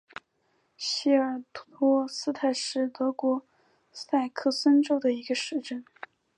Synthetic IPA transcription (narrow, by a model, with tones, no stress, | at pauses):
ɕi˥˩ə˞˨˩t̪ʰu˥˩t̪ʰwɔ˥sɹ̩˥t̪ʰa˥˩ɪʂɻ̩˥˩t̪ɤ˧˥kwɔ˧˥ | sa˥˩ɪkʰɤ˥˩sə˥nʈ͡ʂo˥ʊd̪ə˨i˧˥ɡə˧ʂɻ̩˥˧ʈ͡ʂə˥˩n